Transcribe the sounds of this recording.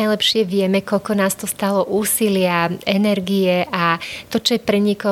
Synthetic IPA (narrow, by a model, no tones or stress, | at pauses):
ajlɛpʃɪɛʋɪɛmɛkɔʎkɔnaːst̪ɔst̪alɔʔuːsilɪaɛnɛɾɡijɛʔat̪ɔt͡ʃɔjɛpɾɛɲikɔ